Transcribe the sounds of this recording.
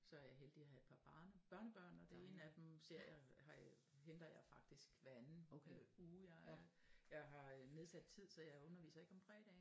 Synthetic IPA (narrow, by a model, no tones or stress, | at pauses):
sɒ̽æɐjɑɦeld̥iæɦæe̝d̥̚pʰɑ̈b̥ɑnəb̥ɶɐnəb̥ɶɐ̰nɒ̽d̥e̝e̝næd̥emse̝ɐ̰jɑhɑ̈ | hend̥ɐjɑ̈ɪfɑ̈ɡ̥̚d̥isɡ̥ʋæn | uːjɑ | jɑ̈ɪɦɑ̈neðˠsæd̥̚t͡sʰið̞̰ˠsɒ̽jɑ̈ɪɔ̽nɐʋḭːsɐe̝ɡ̥ɒ̽mfʁɛ̰ːd̥ɛ̰ː